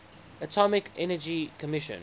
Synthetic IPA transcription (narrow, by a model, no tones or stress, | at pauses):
ətʰɔmɪkɛnəd͡ʒikʰəmɪʃə̰̃n